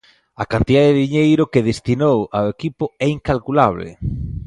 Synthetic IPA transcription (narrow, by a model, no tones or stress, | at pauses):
akant̪iðaðeðeðiɲejɾʊkeðest̪inowawekipʊɛiŋkalkulaβlḛ